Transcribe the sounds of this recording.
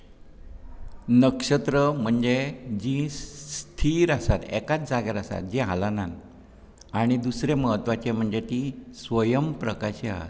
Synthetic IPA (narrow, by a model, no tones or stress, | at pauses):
nəkʂət̪ɾəm̤əɳd͡zed͡ʑĩst̪ʰiɾasat̪ɛ̰kat͡sd͡zaɡeɾasa̰t̪̚d͡ʑiɦalanan | aɽ̃id̪usɾeməɦət̪ʋat͡ɕem̤əɳd͡zet̪isʋəjəmpɾəkaɕia̰ɦa̰t̪